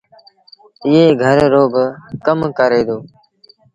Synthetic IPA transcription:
ɪːɦeːɡʱəɾːoːbəkəmkəɾeːd̪oː

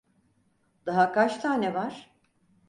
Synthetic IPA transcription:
d̪̥aɦakʰat͡ʃt̪ʰaːnɛvaɾ̥

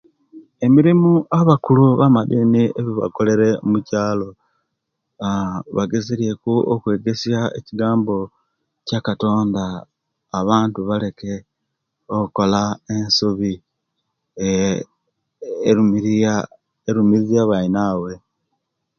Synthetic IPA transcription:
e̞miɾimuʔaβakuluβamadinieβiβa̰ko̞le̞ɾe̞omucaːlo̞ | βaɡeziɾije̞kuo̰kwe̞ːɡe̞sjaḛciɡaːmbo̞ | cakato̞ːndaː | βaːntuβale̞ke̞ | okuko̞lae̞nsuβi | eɾumizjaβainaːwe̞

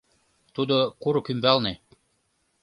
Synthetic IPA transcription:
t̪ud̪okuɾɤ̆kymbælne

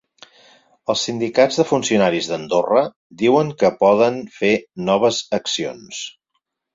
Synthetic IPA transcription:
əlˠsind̪ikad͡zðəfunsiunaɾizðənd̪orə | d̪iwəŋkəpɔðənfenɔβ̞əzəksio̰ns

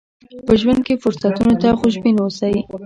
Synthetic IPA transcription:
pəʒwand̪̚kefʊɾsat̪unot̪axʊʃbinosaji

